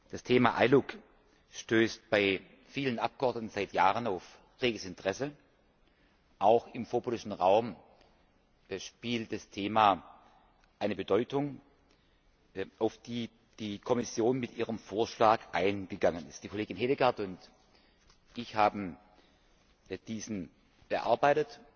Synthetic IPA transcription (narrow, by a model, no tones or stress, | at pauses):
d̥astʰeːmaʔa̰ɪlʊk | ʃtøːst̚b̥aɪ | fiːlənʔap̚ɡ̥əʔɔɐdnətn̩zaɪtjaːʁənaʊf | ʁeːɡəsɪntəʁ̥ɛsə | ʔaʊxɪmfoːɐbolɪʃn̩ʁaʊm | ʃpiːlt̚d̥astʰeːma | ʔaɪnəbədɔʏtʊŋ | ʔaʊfd̥iː | d̥iːkʰɔmɪsjoːnmɪtʔiːʁəmfoːɐʃlaːkʔaɪnɡ̥əɡaŋənɪ̰st̚d̥iːkʰoleːɡɪnɦeːdəɡaɐtʊnt | ʔɪçhaːbm̩ | d̥iːzn̩ | b̥əʔa̰ɐbaɪtət